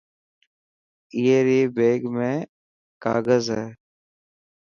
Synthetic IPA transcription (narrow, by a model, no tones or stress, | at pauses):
iːeːɾiːbeːɡmẽː | ka̰ːɡəzɦɛː